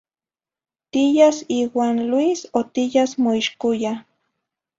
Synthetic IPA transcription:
t̪ijasiːwaːnlwisot̪ijasmoiʃkoja

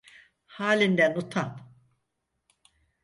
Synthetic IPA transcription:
haːlʲind̪ænut̪ʰam

